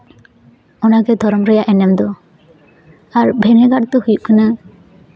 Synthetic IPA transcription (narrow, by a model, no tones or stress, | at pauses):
ɔnakɛd̪ʱɔɾɔmɾɛjaʔɛnɛmd̪ɔ | aɾbʱɛnɛɡaɽt̪ɔhujuʔkʰəna